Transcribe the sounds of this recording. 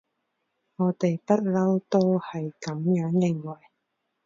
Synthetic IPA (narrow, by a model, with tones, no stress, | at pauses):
ŋɔː˨˧t̪e˨jpɐ˥t̚lɐ˥wt̪o˥whɐ˨jkɐ˨˥mjœː˨˥ŋjɪ˨ŋwɐ˨˩j